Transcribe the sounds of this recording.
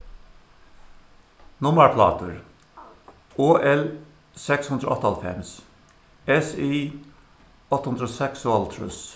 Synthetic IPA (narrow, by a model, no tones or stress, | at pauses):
nʊməɹpʰlɑ̰ːt̪əɹ | oːʔɛl | sɛkshʉnd̪ɾəɔ̰t̪ːɑlfɛ̰ms | ɛsi | ɔt̪ːəhʉnd̪ɾoːsɛksualt̪ʰɹʉ̰s